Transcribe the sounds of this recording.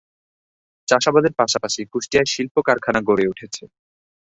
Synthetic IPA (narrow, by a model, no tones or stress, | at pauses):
t͡ɕaʃabad̪eɾpaʃapaʃikuʃʈijaeʃilpokaɾkʰanaɡoɾeuʈʰet͡ɕʰe